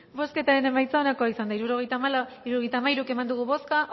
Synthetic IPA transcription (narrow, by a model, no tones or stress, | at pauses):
bo̞ske̞t̪aɾe̞ne̞majt͡saonako̞aisand̪aiɾuɾoɣejt̪amliɾuoɣejt̪aːmaijɾuke̞mand̪uɣ̞uβo̞ska